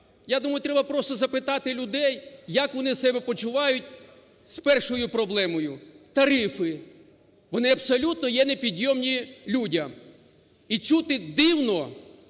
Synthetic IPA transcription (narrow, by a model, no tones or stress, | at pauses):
jad̪umɐjʊt̪ɾɛbɐpɾɔst̪ɔzɐpɪt̪ɑt̪ɪlʲʊd̪ɛjːɐkʋɔnɪsɛbɛpɔt͡ʃʊʋɑjʊtʲ | spɛrʃɔjʊpɾɔblˠɛmɔjʊt̪ɐɾɪfɪ | ʋɔnɪɐbsɔlʲut̪̚nɔjɛnepʲid̪ʲjɔmnʲilʲudʲɐm | it͡ʃut̪ɪd̪ɪwnɔ